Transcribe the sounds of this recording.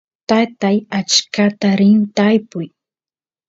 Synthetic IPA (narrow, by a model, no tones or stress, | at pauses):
t̪at̪ajat͡ʃkat̪aɾɪnt̪ajpʊj